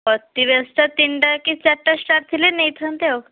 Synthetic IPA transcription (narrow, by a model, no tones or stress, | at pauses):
ət̪ːiʋesʈat̪iɳɖakit͡ɕaʈːasʈaɾt̪ʰilenejt̪ʰənt̪ew